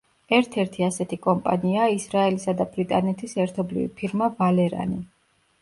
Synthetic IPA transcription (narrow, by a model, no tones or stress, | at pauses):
ɛɾt̪ʰɛɾt̪ʰiasɛt̪ʰikʼɔmpʼa̰niaisɾaɛlisad̪abɾit̪ʼanɛt̪ʰisɛɾt̪ʰɔblḭvḭpʰiɾmavalɛɾa̰ni